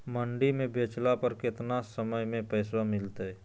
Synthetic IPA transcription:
məɳɖimẽbeːt͡ʃlapəɾkɪt̪nasəməjmẽpɛːswamɪlt̪ɛː

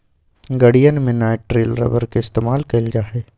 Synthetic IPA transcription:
ɡɐɽijənmẽnaːʈɾeːlɾɐ̰bəɾkeɪst̪eːmaːlkɐld͡ʒaːɦɛː

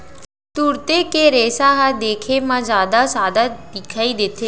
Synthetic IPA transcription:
t̪uɾt̪ekeɾeːsaɦad̪eːkʰemãzaːd̪asaːd̪ad̪ɪkʰaːid̪eːt̪ʰeː

